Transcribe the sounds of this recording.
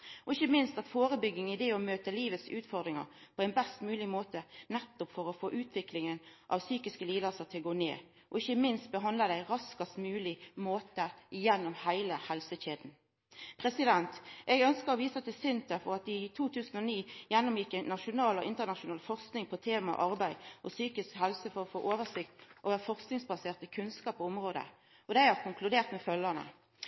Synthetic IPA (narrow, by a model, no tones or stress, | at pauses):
ɔɪçːəmɪnst̪ɑt̪foːʁəbʏɡːɪŋɪd̪ɛɔmøːt̪əliːʋət̪sʉːt̪fɔʁd̪ʁɪŋə̰ʁpʰɔɛɪnbɛst̪mʉːlɪmoːt̪ənɛt̪ːʊpfɔʁɔfoːʔʉːt̪ʰʋɪklɪŋənʔɑ̰ʋsyːkɪskəliːd̪əsəʁt̪ʰɪlɡoːnḛː | ɔ̰ɪçːəmɪnst̪̚bəɦɑnd̪ləd̪æɪʁɑskɑst̪mʉːlɪmoːt̪əɪjɛnːʊmhæɪləhɛlsəɕeːd̪n̩ | pʰʁɛsɪd̪ɛnt̪ʔɛɡœnskəɾɔʋiːsɑt̪̚d̪ɛsʏnt̪əfɔʁɑt̪̚d̪ɪt̪ʰuːt̪ʉːsn̩ɔniːjɛnːʊmjɪkːæɪnːɑʂʊnɑːlɔʔɪnt̪əʁnɑʂʊnɑːlfɔʁsknɪŋpʰɔt̪ʰeːmɑ̰ʔɑʁbæɪʔɔsyːkɪskhɛlsəfɔʁɔfoːʔoːʋəsɪkt̪ʔoːʋəfɔʁsknɪŋsbɑseːʁt̪əkʰʉnskɑːpɔʊmʁoːd̪ə̰ | ɔd̪æɪhɑʁkʰʊŋkʰlʉd̪eːʁt̪mɛfœlːənə̰